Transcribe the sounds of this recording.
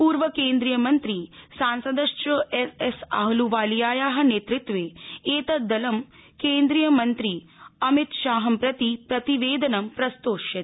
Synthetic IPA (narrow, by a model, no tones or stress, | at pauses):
puːɾʋɐkeːnd̪ɾijɐmɐnt̪ɾiːsaːnsɐd̪ɐʃt͡ʃɐesesa̰ːɦɐluʋaːlijaːjaːɦɐ̆neːt̪ɾɪt̪ʋeːeːt̪ɐd̪ɐlɐmkeːnd̪ɾijɐmɐnt̪ɾiː | ɐmit̪ʃaːɦɐmpɾɐt̪ipɾɐt̪iʋeːd̪ɐnɐmpɾɐst̪oːʃjɐt̪